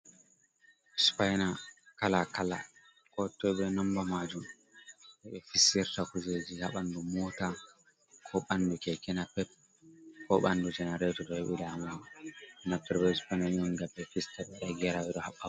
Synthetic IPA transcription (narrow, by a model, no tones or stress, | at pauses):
spajnakalakala̰ | kɔtɔbɛnambamad͡ʒum | ʔɛɓɛfisɛɾtakuzed͡ʒihaɓandumɔta | kʰɔɓandukɛkɛnapɛp̚ | kɔɓandud͡ʒɛnaɾɛtɔɗɔhɛɓilama | napːɛɾbɛspananɔnɡabːɛfistaɓɛɗaɡɛɾawɛɗɔhaɓːa